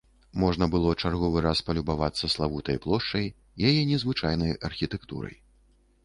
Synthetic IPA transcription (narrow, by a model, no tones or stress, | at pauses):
mɔʐnɐbɨlˠɔt͡ʂarɣɔvɨɾaspɐlʲubavat̪sːɐslˠavut̪ɐjplˠɔʂt͡ʂɐj | jajɛnʲɛzvɨt͡ʂajnɐjɐrxʲit̪ɛkt̪ṵɾɐ̰j